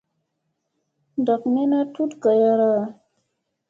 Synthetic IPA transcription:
nda˨kne˦na˦tu˦tɡa˨ja˦ɾa˦˨

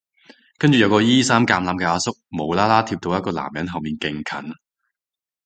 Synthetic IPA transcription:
kɐ˥nt͡ʃyː˨jɐ˨˧wkɔː˧jiː˥saː˥mkaː˧mlaː˧mkɛː˧aː˧sʊ˥k̚mo˨˧wlaː˥laː˥t̪ʰiː˧p̚t̪o˧jɐ˥t̚kɔː˧la̰ː˨˩mjɐ˨˥nɦɐ˨wmiː˨nkɪ˨ŋkʰɐ̰˨˥n

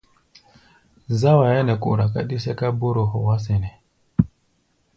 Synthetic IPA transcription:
za˦wa˨jɛ˦nɛ˨kṵ˨ɾa˨ka̰˦ɗi˦sɛ˦ka˦bo˦ɾo˨ɦɔ˨wa˦s̬ɛ˨nɛ˨

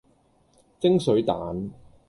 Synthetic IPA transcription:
t͡sɪ˥ŋsɵ˨˥ɥt̪aː˨˥n

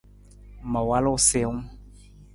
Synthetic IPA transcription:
ma˨wa˦lo˦˨se˦ŋ

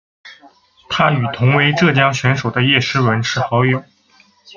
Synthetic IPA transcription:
t̪ʰa˥y˨˩t̪ʰʊ˧˥ŋwe˧˥ɪʈ͡ʂɤ˥˩t͡ɕjɑ˥ŋɕɥɛ˧˥nʂo˨˩d̪ə˦jɛ˥˩ʂɻ̩˥wə˧˥nʂʰɻ̩˥˩xɑ˧˥ʊjo˨˩˦

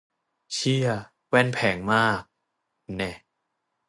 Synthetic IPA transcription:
t͡ɕʰi˥˩ɐ | wɛ˥˩npʰɛː˩˦ŋmaː˥˩k̚ | nɛ˧˩

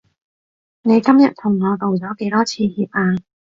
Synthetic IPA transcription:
ne˨˧˦jka˥mɲə̰˧˨nt̪ʰʊ˨˩ŋ͡mnɔ˨˧˩t̪ə˨˩wzɔː˨˦˥ke˨˦lɔ˨˦˥t͡ɕʰi˧˩hi˨˩˨p̚ʔaː˧

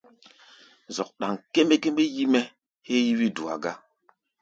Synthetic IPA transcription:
zɔ˨k̚ɗa˨ŋke˦me˦ke˦mɓe˦ji˦mɛ˦ | he˦ji˦wi˦du˨a̰˨ɡa˦

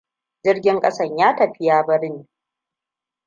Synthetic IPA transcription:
d͡ʒɪ˦rɡʲɪ˦ŋkʼɐ˦sɐ˦˨ɲjaː˦tɐ˨ɸɪ˦jaː˦bɐ˦ɽɪ˦niː˨

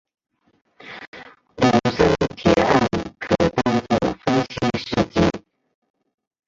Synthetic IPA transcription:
lu˨˩ʂə˥ŋt̪ʰjɛ̰˨˩˦a˥˩nkʰɤ˨˩t̪a˥˧ŋt͡so˥˩fə˥nɕi˥ʂɻ̩˥˩t͡ɕḭ˥˩

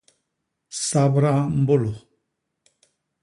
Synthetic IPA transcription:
sa˦bɾa˦m̩˦bo˦lo˨

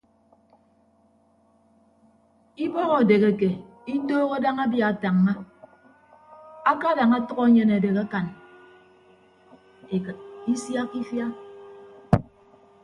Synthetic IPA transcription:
i˦bɔ˦ɣɔ˨de˨ɣe˨ke˨ | i˦toː˦ɣo˦da˦ŋa˦bja˨a˨ta˨ŋːa˦ | a˦ka˦da˨ŋa˦tʌ˦kɔ˦ɲe˨na˨de˨ka˦ka˨n | e˨kt̚i˦sja˦ki˦fja˦

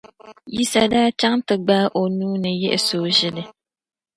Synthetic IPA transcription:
ji˦sa˦daː˦t͡ʃa˦ŋtɨ˨ɡ͡ba˦ʔo˨nuː˦nɨ˨jɛ˦ʔɪ˨soː˦ʒɪ˦lɨ˨

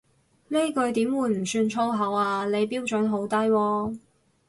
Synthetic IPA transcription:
ne˥jkɵ˧ɥt̪iː˨˥mwuː˨˧jm̩˨˩syː˧nt͡ʃʰo˥wɦɐ˨˧˥waː˧le˨˧jpiː˥wt͡ʃɵ˨˥nɦo˨˥wt̪ɐ˥jwɔː˧

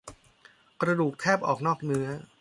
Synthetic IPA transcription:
kɾa˧duː˨˩kʰːɛː˥˩p̚ʔɔː˨˩k̚nɔː˥˩k̚nɯ˦˥ɐ

